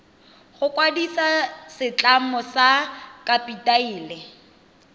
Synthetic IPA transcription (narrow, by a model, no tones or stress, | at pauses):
χʊkwadisasɪt͡ɬʼamɔsakapʼitʼaiːlɛ